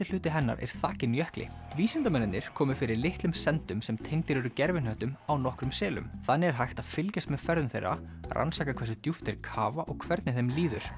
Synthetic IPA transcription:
t̪ɪl̥ʏːt̪ɪɦɛnːa̰ɾʔɛ̰ɾ̥θaːcɪnjœhklɪ̰viːsɛnt̪amɛnːɪnɪɾ̥kʰɔːmʏfɪɾɪɾlɪht̪lʏmsɛnt̪ʏmsɛmt̪ʰejŋt̪ɪɾʏɾʏcɛɾvɪnœht̪ʏmawnɔhkɾʏmsɛːlʏ̰mθanːɪɛɾ̥ɦajht̪aðfɪlcast̪mɛðfɛɾðʏmθejrːa̰ | rʔa̰nsaːkakʰvɛs̬ʏt̪juft̪ɛɾkʰaːvaʔɔɣkʰvɛɾt̪nɪθejmliːðʏ̰ɾ̥

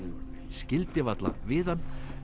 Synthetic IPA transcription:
scɪlt̪ɪvat̪la̰vɪːðanː

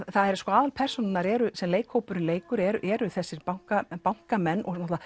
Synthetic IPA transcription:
θaðɛɾskɔaːðalpʰɛr̥sɔnɪnaɾɛɾʏsɛmleːjkhowpʏɾʏnleːjkʏɾɛɾʏʔɛɾʏθɛsːɪɾpawŋ̥kapawŋ̥kamɛnːʔɔ̰ɣnɔt̪a

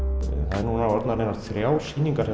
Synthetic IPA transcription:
θaðɛɾnunaɔɾt̪naɾɛnat̪θɾjaːwsiːniŋkaɾ̥hɛ

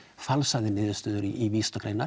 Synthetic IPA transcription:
falsaðɪnɪːðɪst̪œːðʏɾiʔiviːst̪ɔkʰɾejna

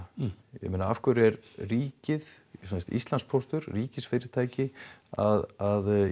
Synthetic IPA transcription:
jɛ̰menaafkvʏɾɛɾriːcɪð | sɛst̪ḭst̪lanspʰɔst̪ʏɾriːcɪsfɪɾɪɾt̪ʰaːjcɪaðað

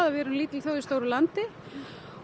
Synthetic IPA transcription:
ðavɛːɾʏmliːt̪ɪlθjowðɪst̪owɾʏlant̪ɪ

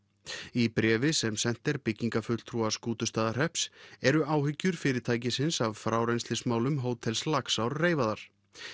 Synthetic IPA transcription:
ipɾɛːvɪsɛmsɛn̥t̪ɛɾpɪcːiŋkafʏt̪l̥t̪ʰɾuaskuːt̪ʏst̪aːðar̥ɛhpsɛɾʏaːwɦʏcːʏɾ̥fɪːɾɪɾ̥t̪ʰaːjc̬ɪsɪnsavfɾaːwɾejnst̪ɪsmaːwlʏmɦoːwt̪ʰɛlslaksawɾreːjvaðaɾ̥

